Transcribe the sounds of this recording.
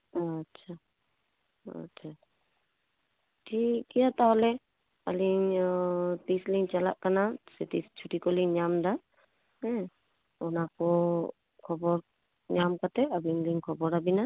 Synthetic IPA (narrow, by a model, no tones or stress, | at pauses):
tːʃʰa | ɐ̰tːʃʰa | ʈʰikːiat̪aɦɔle | a̰liŋ | t̪isliŋt͡ʃɐla̰ʔkənaset̪ist͡ʃʰuʈikoliŋɲaːmd̪a | ɛ̃ | ɔnako | kʰɔbɔɾ | ɲaːmkət̪eɐbʱiŋliŋkʰɔbɔɾabina